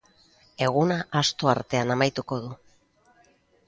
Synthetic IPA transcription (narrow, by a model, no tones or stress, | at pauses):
e̞ɣ̞unaʔast̪o̞a̰ɾt̪e̞anamajt̪uko̞ðu